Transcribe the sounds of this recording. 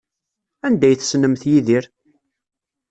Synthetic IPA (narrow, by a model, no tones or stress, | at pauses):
ænd̪æjθsnəmθjiðiɾ